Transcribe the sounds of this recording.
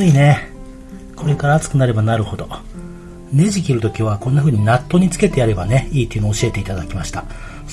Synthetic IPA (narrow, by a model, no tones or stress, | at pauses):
ɨine̞ | kʰo̞ɾe̞kaɾaːt͡sɨ̥kɯ̟naɾe̞banaɾɯ̟ho̞d̪o̞ | ne̞ʑikʲiɾɯ̟t̪o̞kʲiβ̞akõ̞nːaɸɯ̟ːɲ̟inat̪ːo̞ɲ̟it͡sɨ̥ke̞t̪e̞jaɾe̞bane̞iːt̪eiɯnoːɕie̞t̪e̞it̪ad̪akʲimaɕi̥t̪a